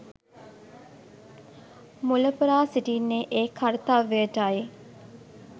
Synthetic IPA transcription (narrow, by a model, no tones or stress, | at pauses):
muləpəɾaːsiʈiːnːeʔeːkʰaɾt̪aʋːeəʈaːje